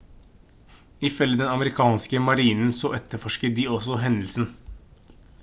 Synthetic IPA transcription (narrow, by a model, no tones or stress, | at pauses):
ɪfœlːəd̪ɛnɑməɾɪkʰɑːnskəmɑɾiːnn̩sɔʔɛt̪ʰːəɾfɔʂkəd̪iːɔsɔɦɛnd̪lsn̩